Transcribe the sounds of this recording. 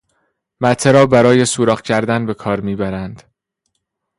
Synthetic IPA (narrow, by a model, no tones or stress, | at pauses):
mæt̪ʰːeɾɒːbæɾɒːje̞suːɾɒːɢcʰæɾd̪ænbe̞kʰɒːɾmiːbæɾænd̪̥